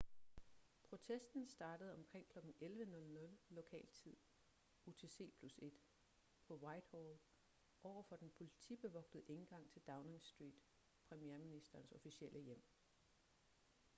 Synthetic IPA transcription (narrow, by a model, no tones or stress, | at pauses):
pʰʁo̝t͡sʰesd̥n̩sd̥ɑ̈ːd̥əð̩ˠɒ̽mkʰʁeŋ̰kʰlɒ̽ɡ̥n̩elʋənɔ̽lnɔ̽lːo̝kʰɛ̰ːlt͡sʰið̰ˠ | o̝t͡sʰe̝se̝̰ːpʰluse̝d̥ | pʰɒ̽wɑ̈ɪd̥hol | ʔɒʊ̰ɐfɒ̽d̥enpʰo̝lit͡sʰḭb̥e̝ʋɒ̽ɡ̥d̥ð̩ˠʔe̝nɡ̥ɑ̈ŋ̰t͡sʰe̝ld̥ɑ̈ʊneŋsd̥ʁḭːd̥ | pʰʁɛmijeɐminisd̥ɐːnsɔ̽fiɕiel̰ʔəjem̰